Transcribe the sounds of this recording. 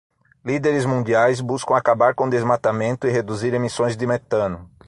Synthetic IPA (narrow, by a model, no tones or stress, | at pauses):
lid̪eɾɪzmũnd̪iajzbuskɐ̃w̃akabaɾkõd̪ezmat̪amẽnt̪ʊɪɦed̪uziɾemisõj̃zd̪ɪmet̪ɐ̃nʊ